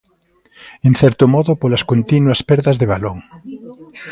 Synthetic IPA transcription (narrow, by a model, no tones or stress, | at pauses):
enθɛɾt̪ʊmɔðʊpolaskont̪inwɐspɛɾðɐzðeβ̞aloŋ